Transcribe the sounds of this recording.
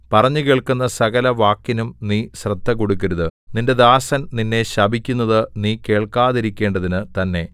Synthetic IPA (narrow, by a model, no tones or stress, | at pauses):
pɐrɐɲːukeːɭkunːɐsɐɣɐlɐʋaːkːinumniːɕrɐd̪ʱːɐko̞ɽukːɐɾuðɨninde̞d̪aːsɐnninːe̞ɕɐbʱikʲːunːɐðɨniːke̞ːɭkaːðiɾikʲːe̞ːɳɖɐðinɨt̪ɐnːe̞